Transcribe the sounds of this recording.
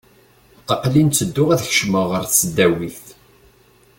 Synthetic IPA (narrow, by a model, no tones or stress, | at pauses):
qəqlint͡sːəd̪ːʊʁæðçʃməʁəɾθt͡sːəd̪ːæwiθθ